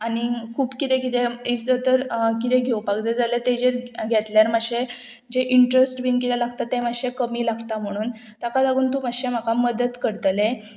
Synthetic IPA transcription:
anikʰuːpkit̪ɛ̃kit̪eiʋd͡zət̪əɾkit̪ẽɡʱewpaɡd͡zad͡zalət̪ed͡ʑeɾɡʱɛt̪ljaɾmaɕẽ | d͡ʑeʔiɳʈɾəsʈbiːnkit̪ɛlaɡt̪at̪ːemaɕekəmiːlaɡt̪am̤əɽ̃uːn | t̪akalaɡuːnt̪umaɕem̤akaməd̪əd̪kəɾt̪lẽ

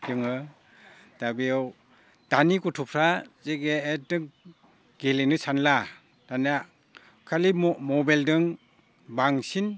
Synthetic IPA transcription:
dɯŋɯ | d̥abijɔw | d̥anikutʰupʰɾazeɡeːdɯŋ | ɡ̥elinɯsʰanla | d̥ana | kʰalimɔbajldɯŋ | baŋsin

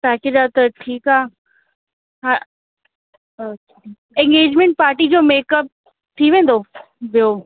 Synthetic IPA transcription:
paːked͡ʑaːt̪ɐʈʰiːkaː | ɦa | ẽŋɡeːd͡ʑmẽɳʈ̚paːɾʈid͡ʑoːmeːkəp̚ | t̪ʰiʋẽːn̆d̪o | bijo

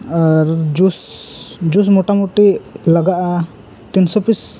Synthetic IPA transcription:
aɾd͡ʒusd͡ʒus̬mɔʈamuʈilaɡaʔa | t̪insɔpis

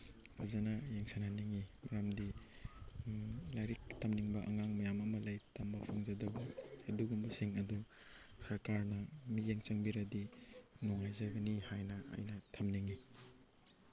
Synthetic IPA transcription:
pʰazanɐjeŋsananiŋimaɾamdi | lajɾik̚tʰɐmniŋbɐʔɐŋaŋmɐjamɐmɐlajtambɐpʰaŋzɐdɐbɐːduɡumbɐsiŋɐdu | sɐɾkaɾnɐmijeŋt͡ʃɐŋbiɾɐdinɔŋajzajɡɐnihajnɐɐ̰jnɐtʰɐmniŋi

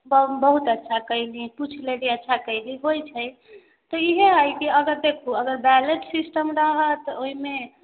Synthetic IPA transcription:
bbəɦut̪ətːʃʰakəliput͡ʃʰleliətːʃʰakəɪliɦojt͡ʃʰəj | t̪ɔiɦeajkiəɡəɾd̪ekʰuəɡəɾbɛleʈsisʈəmɾəɦət̪oɦime

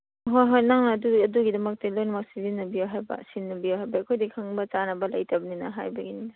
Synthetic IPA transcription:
ɦojɦojnaŋnɐːduɐduɡidɐmɐk̚tilojnɐmɐk̚sizinːɐbiawɦajbɐ̰sinːɐbiawɦajbɐːkʰojdikʰaŋbɐt͡ʃanɐbɐlɐ̰jtʰɐbɐninɐ̰ɦa̰jbɐɡininɐ

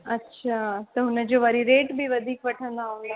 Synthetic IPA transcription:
ɐtːɕʰaːt̪ɐɦʊnəd͡ʑoʋaɾiɾeːʈbʱiʋɐd̪ʱiːkʋɐʈʰə̃nd̪aɦʊ̃nd̪a

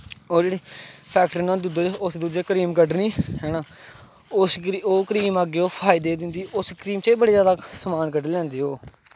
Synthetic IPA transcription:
oːd͡ʒeːɽiːpʰɛːkʈəɾnãːd̪ud̪oːʊsd̪ud̪eːkəɾiːmkəɖniːɦɛːnaː | ʊsioːkəɾiːmaɡeːoːpʰaːɪd̪eːd̪ɪ̃nd̪iːʔʊskəɾiːmt͡ʃiːbəɽeːjaːd̪aːsmaːnkəɖlɛ̃ːnd̪eːɦoː

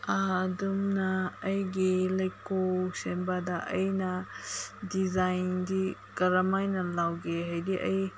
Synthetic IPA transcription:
aːdumnaːjɡilɐjkosenbadaʔɐjna | dizajndikɐɾamajnalawɡeɦajdiʔɐj

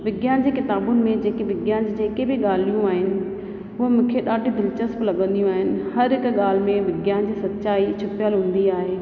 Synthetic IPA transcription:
ʋɪɡjaːnd͡ʑeːkɪt̪aːbʊnɪ̆mẽd͡ʑeːkeʋɪɡjaːnd͡ʑd͡ʑeːkebɪɠaːlijũaːɦɪnɪ̆ | ɦʊɦemũːkʰeɗaːɖʱjũd̪ɪlt͡ɕəsplɐɠə̃nd̪ijũaːɦɪnɪ̆hɐɾɦɪkɠaːl̤ɪmẽʋɪɡjaːnd͡ʑiːsɐt̪ːt͡ɕaːit͡ɕʰʊpjəlɦũːn̆d̪iaːɦeː

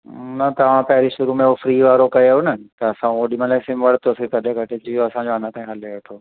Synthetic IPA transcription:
nɐt̪ɐʋ̤ãpɐɦɪɾiʃʊɾumẽofɾiːʋaːɾokɐjoɦʊnɐt̪ɐɐsãoːɗimɐleːsimʋɐɽ̤t̪ʰosikɐɗẽɡʱɐʈʰɪt͡ɕijoɐsãɲd͡ʑoɐnãt̪aːĩɦɐleʋɐʈ̪ʰoː

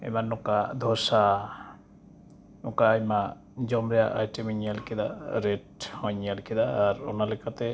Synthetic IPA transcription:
ɛ̰manːukad̪ʱɔsa | nukaːjma | d͡ʒɔmɾɛjaʔa̰jʈimiɲialkʰid̪aɾeʈhɔjɲalkʰid̪aːɾo̰nalɛkʰat̪ɛ

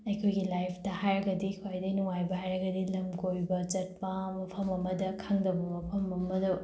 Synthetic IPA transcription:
ɐjkʰojɡilajpʰtɐhajɾɐɡɐdikʰwajdɐnuŋajbɐhajɾɐɡɐdilɐmɡojbɐd͡ʒɐt̚pɐmɐpʰɐmɐmɐdɐkʰaŋdɐbɐmɐpʰɐmɐmɐdɐ

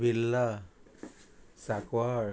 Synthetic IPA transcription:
bilːa | sakwaɹ

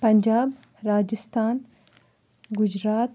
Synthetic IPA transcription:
pɐɲd͡ʒaːb | ɾaːd͡ʒɪst̪aːn | ɡʊd͡ʒɾaːt̪

